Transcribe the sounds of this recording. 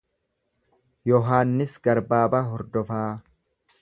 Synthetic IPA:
jɔɦaːnːɪsɡɐɾbaːbɐɦɔɾd̪ɔfaː

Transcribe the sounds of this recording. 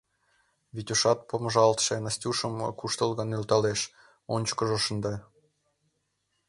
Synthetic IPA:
βitʲuʃɑt̪̚poməʒɑlt̪ʃenəsʲtʲuʃəm̰kuʃt̪əlˠɣɤnylt̪ɑleʃ | onʲt͡ɕkəʒoʃənd̪ɑ

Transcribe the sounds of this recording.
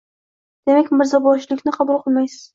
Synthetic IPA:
d̪̥e̞makʲmɪɾzabɒʃlɪkʲnɪqʰɑbʊlˠqʰɨlˠmajsɪ̥z̥

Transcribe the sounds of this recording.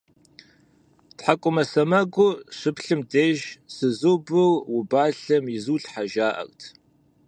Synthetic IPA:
tħakʷʼʊmɐsɐmɐɡʷʊɕʷɨpɬɨmdeːʒsɨzobɨwwʊbaːɬɐmjɪzuːɬħaʒaːʔɐ̰ktʰ

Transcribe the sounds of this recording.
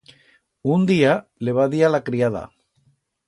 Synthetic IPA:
und̪ialeβaðialakɾiaða̰

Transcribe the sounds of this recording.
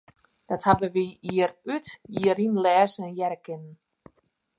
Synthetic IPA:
d̥ɔthabəʋiiərytiəɾinlɛːzəɛnjɛɾəkɪnən̩

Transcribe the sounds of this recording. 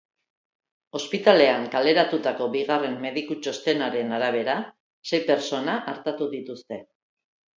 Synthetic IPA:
o̞spit̪ale̞aŋkale̞ɾat̪ut̪ako̞βiɣare̞mːe̞ðikut͡ʃo̞st̪e̞naɾe̞naɾaβ̞e̞ɾa | se̞jpe̞ɾt͡so̞naʔaɾt̪at̪uðit̪ust̪e̞

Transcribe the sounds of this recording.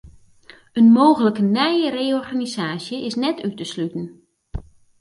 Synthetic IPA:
ənmoːɣələkənɛjəreːɔrɣanizaːsjəʔɪsnɛtʰytəslytən̩

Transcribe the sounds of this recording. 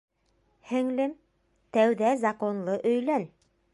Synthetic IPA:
hɘ̆ŋlɘm | t̪æwðæzɑkonlˠɤʔɵ̆jlæn

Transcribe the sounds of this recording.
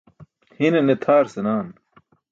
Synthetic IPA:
hinenet̪ʰaːɾsenaːn

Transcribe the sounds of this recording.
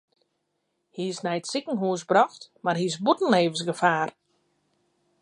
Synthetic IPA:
hiɪsnɛjtsɪkəŋ̩ɦuəsbrɔxtmarɦisbutn̩leːvən̩sɡəfaːr

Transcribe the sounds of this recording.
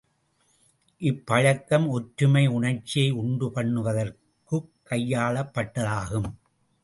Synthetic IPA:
ʔɪpːɐɻɐkːɐmɔʈɾɯmɐɪʊɳɐɾt͡ʃːɪjɐɪʊɳɖɯpɐɳːɯʋɐðɐr | kɯkkːɐjːaːɭɐpːɐʈːɐðaːɣɯm

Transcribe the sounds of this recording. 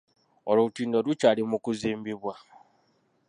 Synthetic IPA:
oloutiːndoɾut͡ʃalimukuziːmbiβwa

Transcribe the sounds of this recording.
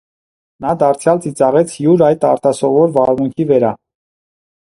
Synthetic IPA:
nɑd̪ɑɾt͡sʰjɑlt͡sit͡sɑʁɛt͡sʰjuɾɑjt̪ɑɾt̪ɑsɔvɔɾvɑɾmuŋkʰivəɾɑ

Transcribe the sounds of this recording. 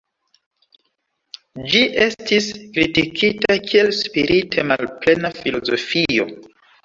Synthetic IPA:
d͡ʒiʔe̞stiskɾitikʰitakʰie̞lspiɾitʰemalple̞nafilo̞zo̞̰fio̞̰

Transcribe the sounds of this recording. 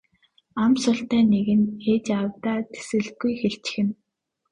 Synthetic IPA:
amsʊɬt̪æːneɣɘ̆neːt͡ɕawt̪aːt̪e̥sɘ̆ɮtɡujxeɬt͡ɕɪ̥̆xɘ̆n

